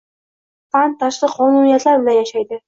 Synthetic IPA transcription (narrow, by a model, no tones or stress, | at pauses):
fantt̪ʰːaʃlˠɨqʰɒnunijat̪laɾbɪlanjaʃajd̪ɪ